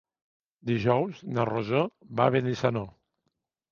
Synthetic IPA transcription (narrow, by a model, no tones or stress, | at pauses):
d̪iʒɔwznarozoβaβenisano